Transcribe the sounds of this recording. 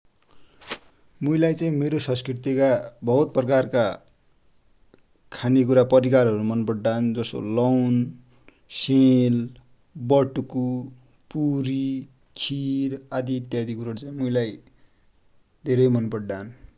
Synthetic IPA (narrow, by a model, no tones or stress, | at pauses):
muilajt͡saĩmeɾosʌ̃nskrirt̪ikabʌɦut̪̚prʌkarka | kʰanikuɾapʌɾikarɦʌɾumʌnpʌɽɖand͡zʌso̰lʌwn | sel | bʌʈuku | puɾi | kʰiɾad̪iːt̪jad̪ikuɾʌɾut͡saĩmuilaj | d̪ʱeɾʌjmʌnpʌɖɖan